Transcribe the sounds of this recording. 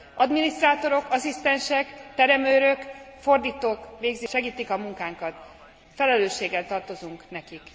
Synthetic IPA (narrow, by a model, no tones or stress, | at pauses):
ɒd̪minist̪raːt̪o̞ɾo̞kɒsist̪ɛnʃɛkt̪ɛɾɛmøːɾø̞kfo̞rd̪iːt̪oːkʋeːɡzʃɛɡiːt̪ikɒmuŋkaːŋkɒt̪ | fɛlɛløːʃːeːɡɛlt̪ɒrt̪o̞zuŋknɛkik